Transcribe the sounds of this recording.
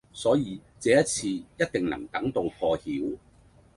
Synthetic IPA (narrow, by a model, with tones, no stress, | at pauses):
sɔː˨˥jiː˨˧t͡sɛː˨˥jɐ˥t̚t͡sʰiː˧jɐ˥t̚t̪ɪ˨ŋnɐ̰˨˩ŋt̪ɐ˨˥ŋt̪o˧wfʰɔː˧hiː˨˥w